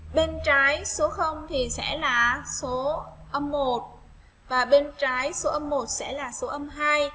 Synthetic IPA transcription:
ɓe˧nt͡ɕaː˨˦jso˨˦xə˧wŋ͡mt̪ʰi˨˩sɛ̰˧˥laː˨˩so˨˦ʔə˧mːo˨˩t̚ | vaː˨˩ɓe˧nt͡ɕaː˨˦jso˨˦ʔə˧mːo˨˩t̚sɛ̰˧˥laː˨˩so˨˦ʔə˧mɦaː˧j

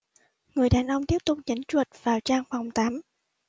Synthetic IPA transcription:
ŋɨ˨˩əjɗaː˨˩nʔə˧wŋ͡mt̪i˦˥əp̚t̪ʊ˨˩k͡p̚ɲə˨˦ŋt͡ɕwə˨˩t̚vaː˨˩wt͡ɕaː˧ŋfa˨˩wŋ͡mt̪aː˨˦m

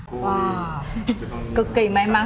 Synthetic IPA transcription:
ʔaː˨˩ | kɨ˨˩kːi˧˩ma˨ɛ˧maː˧

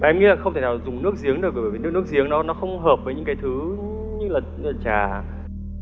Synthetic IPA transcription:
ma˨˧mɲi˧laː˨˩xə˧ŋ͡mt̪ʰe˧˩nːaː˨˩zʊ˨˩ŋ͡mnɨ˦˥ək̚zi˨˦əŋɗɨ˨˩k̚ɓəː˧˩˨v̚nɨ˦˥k̚zi˨˦əŋnɔ˨˦nɔ˨˦xə˧wŋ͡mɦəː˨˩p̚vəː˨˦jɲɨ̰˧˥ŋkaː˨˦jt̪ʰɨ˨˦ | ɲɨ˧˥laː˨˩laː˨˩t͡ɕaː˨˩

